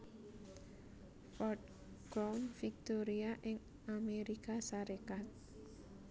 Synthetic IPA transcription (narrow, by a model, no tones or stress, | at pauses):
fɔt | ɡ̥awnfik̚t̪oɾiaʔɪŋ | ameɾikasaɾekat̪̚